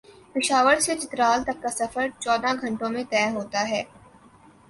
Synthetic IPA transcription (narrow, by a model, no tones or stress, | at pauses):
pɪʃaːʋəɾset͡ʃɪt̪ɾaːlt̪ɐkːasɐfəɾt͡ʃɔːd̪ʱaɡʱɐ̃ɳʈõmẽt̪ɛːɦoːt̪aɦɛː